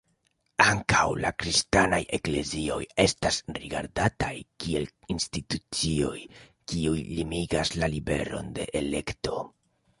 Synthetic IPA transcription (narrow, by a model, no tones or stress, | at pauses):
aŋkawlakɾistanaje̞kle̞zio̞je̞stasɾiɡaɾdatajkie̞l | institut͡sio̞jkiujlimiɡaslalibe̞̰ɾo̞̰nde̞ʔele̞kto̞